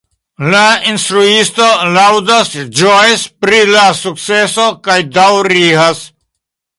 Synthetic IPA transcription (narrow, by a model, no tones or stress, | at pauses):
lainst̪ɾuist̪olawd̪asd͡ʒojspɾilasuk̚t͡sesokajd̪awɾiɦas